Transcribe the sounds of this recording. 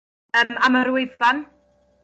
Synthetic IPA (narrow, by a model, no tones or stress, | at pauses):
əmaməɾwɪvan